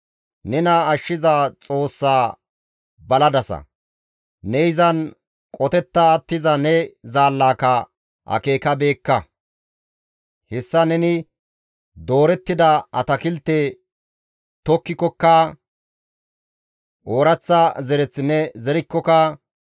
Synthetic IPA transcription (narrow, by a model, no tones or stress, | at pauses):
nɛnɐːʃːɪzaːt͡sʼo̞ːsːaː | bɐlɐd̪ɐsɐ̰ | nɛɪzɐn | kʼɔt̪ɛt̪ːɐːt̪ːɪzɐnɛzaːlːaːkɐ | ʔɐ̰ke̞ːkɐbe̞ːkːɐ | hɛsːɐnɛnɪ | d̪o̞ːɾɛt̪ːɪd̪ɐɐt̪ɐkɪlt̪ːe | t̪ɔkːɪkɔkːɐ | ʔoːɾɐt͡sːɐzɛɾɛt͡sːɪnɛzɛɾɪkːɔkɐ